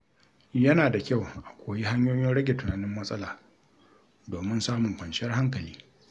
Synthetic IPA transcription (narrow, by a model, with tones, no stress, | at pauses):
jɐ˦naː˨da˨kʲa˦˨wʔa˨kʷoː˨ji˦ɦa˦ɲjoː˦joː˦ɽɐ˦ɡʲe˨tʊ˨naː˨nɪ˦mːɐ˦sʼɐ˦laː˨ | doː˨mɪ˦nsaː˦mʊ˨ŋkʷɐ˨nʃɐ˦rha˦ŋk̬ɐ˨lḭː˦